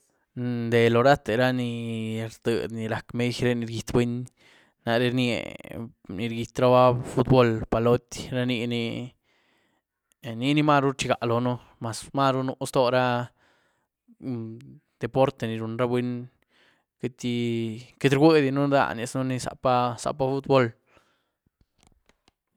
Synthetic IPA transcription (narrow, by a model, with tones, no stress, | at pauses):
d̪e˨lo˨ɾa˦t̪e˨˧ɾa˦ni˧ɾd̪̥ə̰˨d̪ni˨˧ɾa˨kme˦jɾe˦ni˧ɾɡi˨˧t̪bwe˦ɲ | na˧ɾe˧˦ɾniḛ˨ | ni˧ɾɡi˧t̪ɾa˦ba˦fu˦t̪bo˦lpa˨lo˦t̪ʲɾa˦ni˧ni˧ | ni˧ni˦ma˦ɾu˦t͡ʃi˧ɡa˨ʔlo˨no˦ | ma˨sma˦ɾu˦nu˧˦st̪o˦ɾa˦ | d̪̥e˨po˦ɾt̪e˨ni˨ɾu˨nɾa˦bwe˦n | ke˦t̪ʲi˧ke˦t̪ɾɡʷe˦d̪i˧nu˦d̪a̰˧ni˧˨snu˦ni˧sa̰˨˧pa˦sa̰˧pa˦fu˦t̪̚bo˦l